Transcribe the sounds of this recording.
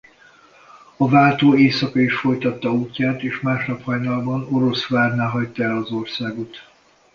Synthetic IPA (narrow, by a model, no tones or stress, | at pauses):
ɒvaːlt̪oːeːsɒkɒiʃfo̞jt̪ɒt̪ːɒuːcːaːt̪eːʃmaːʃnɒphɒjnɒlbɒno̞ɾo̞sʋaːrnaːɦɒct̪ːɒɛlɒzo̞rsaːɡo̞t̪